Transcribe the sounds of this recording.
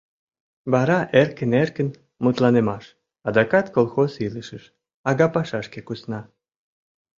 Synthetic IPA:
βɑɾɑʔerkənerkən | mut̪lɑnemɑʃ | ɑd̪ɑkɑt̪kolˠxosiləʃəʃ | ɑɣɑpɑʃɑʃkekusnɑ

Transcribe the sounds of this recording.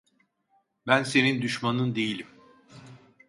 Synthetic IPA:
bænse̞nind̪yʃmanɯnd̪e̞jilʲim

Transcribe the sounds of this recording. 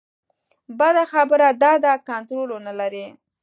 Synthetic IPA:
bad̪axabəɾad̪ɑd̪akant̪ɾolonalaɾi

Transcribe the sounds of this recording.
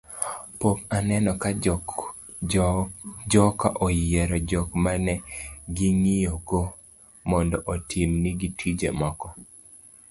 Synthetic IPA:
pokanɛnɔka | d͡ʒɔka̰ʔojeɾɔd͡ʒɔkmanɛɡiŋijoɡo | mɔndɔʔotʰimniɡitwid͡ʒḛmɔkɔ

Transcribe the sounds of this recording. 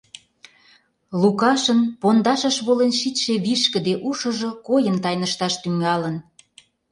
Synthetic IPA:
lukɑʃənpond̪ɑʃəʃβolenʃit̪ʃeβiʃkə̆d̪eʔuʃə̆ʒokojənt̪ɑjnəʃt̪ɑʃt̪yŋɑlən

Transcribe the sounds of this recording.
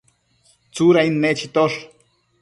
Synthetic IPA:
t͡suɾainːet͡ʃit̪oʂ

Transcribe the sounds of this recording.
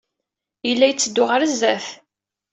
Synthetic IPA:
jəlːæjt͡sːəd̪ːʊʁəɾəzːæθ

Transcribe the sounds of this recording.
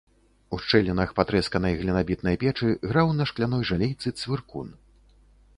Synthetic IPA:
uʂt͡ʂɛlʲinɐxpat̪ɾɛskɐnɐjɣlʲinabʲit̪̚nɐjpʲɛt͡ʂɨɣɾawnɐʂklʲanɔjʐalʲɛjt̪sɨt̪svʲirkṵn

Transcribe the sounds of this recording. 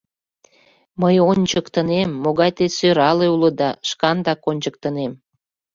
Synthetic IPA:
məjonʲt͡ɕəkt̪ənemːoɣɑjt̪esøɾɑleuləd̪ɑʃkɑnd̪ɑkonʲt͡ɕək̚t̪ənem

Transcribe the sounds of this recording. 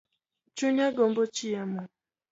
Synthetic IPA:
t͡ʃuɲaɡom̩bot͡ʃijamʊ

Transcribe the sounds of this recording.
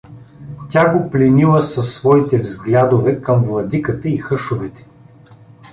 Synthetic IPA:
tʲaɡoplʲɛnilˠɐsɐsːvɔit̪ɛvzɡlʲad̪ovɛkɐmvlˠɐd̪ikət̪əixɤʃovɛt̪ɛ̥

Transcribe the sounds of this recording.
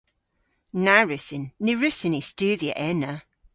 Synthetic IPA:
naɹʉsɪnːɪɹʉsɪnistʉːðiə̰ʔɛnə

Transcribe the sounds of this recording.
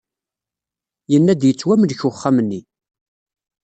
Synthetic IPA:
jənːæd̪jət͡sːwæməlçʊχːamənːi

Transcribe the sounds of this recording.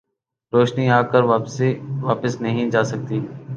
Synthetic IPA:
ɾoːʃniaːkəɾʋaːsiʋaːpəsnəɦĩd͡ʒaːsək̚t̪iː

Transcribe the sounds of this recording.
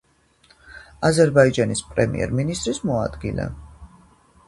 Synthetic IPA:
azɛɾbaid͡ʒanispʼɾɛmḭɛ̰ɾminist̪ʼɾismɔad̪ɡilɛ̰

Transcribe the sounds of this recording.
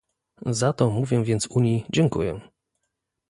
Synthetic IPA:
zat̪ɔmuvʲjɛ̃vʲjɛnt̪suɲjid͡ʑɛŋkṵjɛ̰

